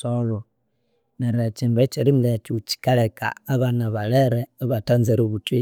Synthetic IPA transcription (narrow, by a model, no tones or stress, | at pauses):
olo | neɾet͡ʃimβat͡ʃeɾim̩let͡ʃiut͡ʃi̥kaleka̰ːβanaβaleɾeːβatanzeɾoβutwi